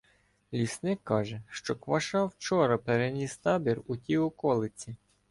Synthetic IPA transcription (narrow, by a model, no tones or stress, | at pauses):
lʲisnɪkːɑʒɛʃt͡ʃɔkʋɐʃɑwt͡ʃɔɾɐpeɾenʲist̪ɑbʲirutʲiɔkɔlˠɪt͡sʲi